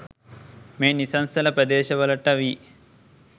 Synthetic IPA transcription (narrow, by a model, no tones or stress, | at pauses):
meːnisɐnst̪ɐlɐpɾɐd̪eːʃɐʋɐlɐʈːɐʋi